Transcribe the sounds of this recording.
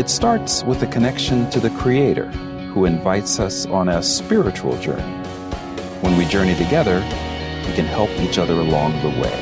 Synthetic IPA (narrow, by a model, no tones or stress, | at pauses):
ɨtstɑɹtswəðɨkʰɨnɛkʃɨ̃ntʰɨðɨkʰɹ̥ieɪɾə̰˞ | huɨ̃ɱvaɪtsʌsn̩əspɪɹɨt͡ʃṵl̩ˠd͡ʒɜ̰̃˞ni | wə̃nwid͡ʒɜ˞ñitɨɡɛðə˞ | wikɨ̃nhɛlˠpit͡ʃʌðə˞əlɔ̃ŋðəwḛɪ